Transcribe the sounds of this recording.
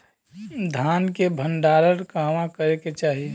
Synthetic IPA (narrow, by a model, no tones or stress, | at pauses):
d̪ʱaːnkebʱə̃ɳɖaːɾəɾkaːmãkəɾeket͡ʃaːɦie